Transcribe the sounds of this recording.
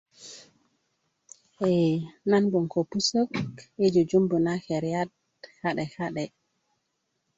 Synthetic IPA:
ʔɛnanbɔnkɔpusɔked͡ʒɔd͡ʒumbunakɛɾjad | haɗɛhaɗɛ

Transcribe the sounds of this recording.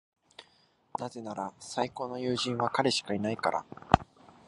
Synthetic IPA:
naze̞naɾasaiko̞ːno̞jɯːʑĩɰ̃βakaɾe̞ɕi̥kainaikaɾa̰

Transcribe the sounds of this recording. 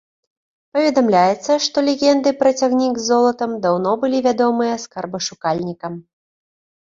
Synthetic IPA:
pɐvʲɛd̪amlʲajɛt̪sːɐʂt̪ɔlʲɛɣʲɛnd̪ɨpɾɐt͡sʲaɣnʲiɡzːɔlˠɐt̪ɐmd̪awnɔbɨlʲivʲad̪ɔmɨjɐskarbɐʂukalʲnʲikɐm

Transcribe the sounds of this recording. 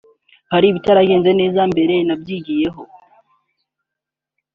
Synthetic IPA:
haɾiːβitaɾaɡe̞ːnze̞ne̞ːzambe̞ɾe̞nabɟiːɡije̞ɦo̞

